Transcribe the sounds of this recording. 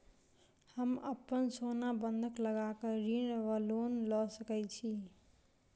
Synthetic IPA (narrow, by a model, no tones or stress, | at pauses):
həməpːənsonabənd̪ʱəkləɡakəɾinʋəlonlɔsəkɛt͡ʃʰi